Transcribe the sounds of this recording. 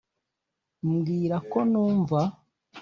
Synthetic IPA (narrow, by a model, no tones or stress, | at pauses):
mɡiːɾako̞nuːɱva